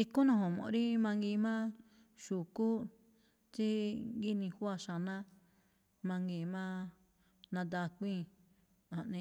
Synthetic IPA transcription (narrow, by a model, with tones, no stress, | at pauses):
i˧ku˦nã˧hõ˨mõ̰˨ʔɾi˦mã˧ŋɡi˧mã˦ | ʃu˨ku˦ | t͡ʃi˦ɡi˦nĩ˧hwa˦˧˨ʃa˨nã˦ | mã˧ŋɡi˧˨mã˦ | nã˧d̪a˧kʷĩ˦˧ | a˨ʔnĩ˧